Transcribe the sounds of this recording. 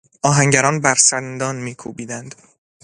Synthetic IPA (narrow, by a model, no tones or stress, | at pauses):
ʔɒːɦæŋɟæɾɒːnbæɾsænd̪ɒːnmiːkʰuːbiːd̪ænd̪̥